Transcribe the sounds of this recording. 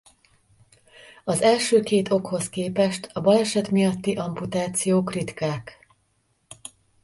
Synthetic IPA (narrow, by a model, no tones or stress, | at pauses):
ɒzɛlʃøːkeːt̪ʰo̞kho̞skeːpɛʃt̪ɒbɒlɛʃɛt̪mijɒt̪ːiʔɒmput̪aːt̪sijoːkrit̪kaːk